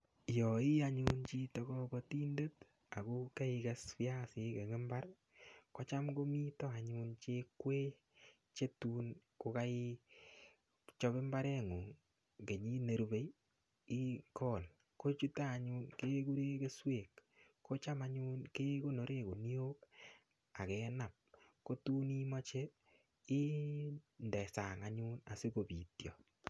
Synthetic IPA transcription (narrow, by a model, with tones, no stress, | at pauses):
jɔ˨i˦a˦ɲu˦nt͡ʃi˦tɔ˧kɔ˦kɔ˧ti˦nde˦t | a˨ku˦ke˦ɪ˧ka˦spi˦a˦sɪ˨ke˨ŋe˦mba˦r | kɔ˦t͡ʃa˦mɡo˦mi˦tɔ˦a˨ɲu˦nt͡ʃe˦kwe˦ | t͡ʃe˦tu˦n | ko˧ka˦i˦ | t͡ʃɔ˧˦bɪ˦mba˦ɾɛ˦ŋu˨ŋ | ke˨ɲi˦ne˨ɾube˨j | i˦kɔ˦˨l | ko˦t͡ʃu˦taː˦˨ɲu˦nke˦ku˦ɾe˦ke˦swe˨kː | o˦t͡ʃa˦ma˦ɲu˦nke˦ko˦no˨ɾe˦˨ko˨ni˦o˦k | a˨kɛ˨˦na˨p̚ko˦tu˦ni˦mɔ˦t͡ʃe˦ | i˦ | ndɛ˨sa˨ŋa˨ɲu˦na̰˨si˦ko˨bi˨tjɔ̰˨